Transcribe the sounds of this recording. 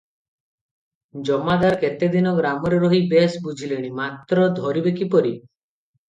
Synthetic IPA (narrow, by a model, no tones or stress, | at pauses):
d͡ʒɔmad̪aɾket̪ed̪inɔɡɾamɔɾeɾɔɦibesbud͡ʒʱileɽ̃imat̪ɾɔd̪ʱɔɾibekipɔɾi